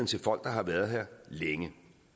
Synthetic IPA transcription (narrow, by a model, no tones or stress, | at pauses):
n̩t͡sʰe̝lfɒ̽l̰ɡ̥d̥ɑ̈ɦɑ̈ʋæɐð̞̩ˠɦæɐ̰leŋə